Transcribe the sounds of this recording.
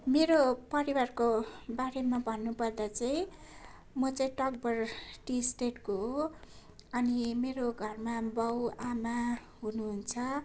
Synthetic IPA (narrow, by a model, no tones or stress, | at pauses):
meɾopʌɾiwarkobaɾemabʱʌnːupʌrd̪at͡sʌĩ | mʌt͡sʌĩʈʌk̚bʌrʈisʈeʈkoɦo | ʌnimeɾoɡʱʌrmabʌwama | ɦunuɦunt͡sʰʌ